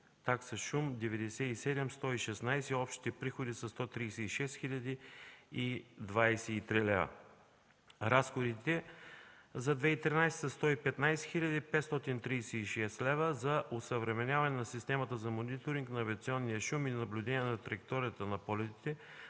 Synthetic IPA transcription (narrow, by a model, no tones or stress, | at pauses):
t̪aksɐʃumd̪ɛvɛd̪ɛsɛisɛd̪ɛmst̪ɔiʃɛsnajsɛɔpʃt̪i̥t̪ɛpɾixod̪isɐst̪ɔt̪ɾiːsɛiʃɛst̪xilʲɐd̪iid̪vajsɛit̪ɾilɛvɐ̰ | ɾasxod̪it̪ɛ | zɐd̪vɛit̪ɾinajsɛ̥sɐst̪ɔipɛt̪najsɛ̥xiʎʲɐd̪ipɛt̪st̪ɔt̪int̪ɾiːsɛiʃɛslɛvəzɐʔosəvɾɛmɛnʲavɐnɛnɐsist̪ɛmɐt̪əzɐmonit̪oɾiŋknɐvit̪siɔnːijɐʃuminɐblʲʊd̪ɛnʲiɛnɐt̪ɾɐkt̪ɔɾiət̪ənɐpɔlɛd̪it̪ɛ